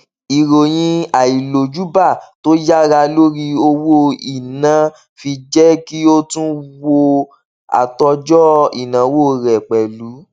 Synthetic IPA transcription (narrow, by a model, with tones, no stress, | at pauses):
i˨ɾo˨j̃ĩ˧a˨i˨lo˨d͡ʒu˦ba˦˨to˦ja˦ɾa˧lo˦ɾi˧o˧wo˦i˨nã˨ | fi˧d͡ʒɛ˦ki˦o˦tũ˦wo˧ | a̰˨tɔ˧d͡ʒɔ˦i˨nã˨˦wo˦˨ɾɛ˨k͡pɛ˨lu˨˦